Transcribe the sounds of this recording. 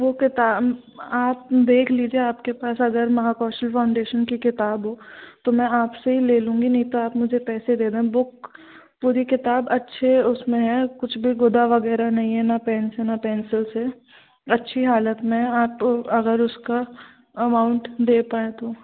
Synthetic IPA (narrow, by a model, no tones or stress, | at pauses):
ʋokɪt̪aː | aːp̚d̪eːkʰliːd͡ʒieaːpkepaːsɐɡəɾmɐɦakɔːsʈəlfʰaːʊ̃ɳɖeːʃənkikɪt̪aːbɦoːt̪omɛ̃aːpseɦileːlũːŋɡinɐɦĩt̪oaːpmʊd͡ʒʱepɛːsed̪eːd̪eːɦɛ̃bʊk | puːɾikɪt̪aːbɐtːʃʰeʊsmẽɦɛkʊt͡ʃʰbʱiɡʊd̪aʋɐɡɛːɾanɐɦĩɦɛnapɛːnsenapɛ̃ːnsɪlse | ɐtːʃʰiɦaːlət̪mẽaːpɐɡəɾʊska | ɐmaːʊ̃ɳʈd̪eːpaːẽt̪oː